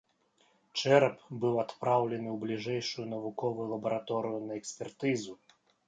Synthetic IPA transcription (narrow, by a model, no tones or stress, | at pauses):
t͡ʂɛɾpbɨwat̪pɾawlʲɛnɨwblʲiʐɛjʂujunɐvukɔvujulˠɐbɐɾat̪ɔɾɨjunɐɛksʲpʲɛrt̪ɨzu